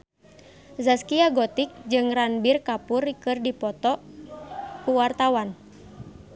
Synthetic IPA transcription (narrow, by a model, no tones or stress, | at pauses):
zaskiaɡɔt̪ik̚d͡ʒɨŋranbirkapurkɨrdipɔt̪ɔ | kuwart̪awan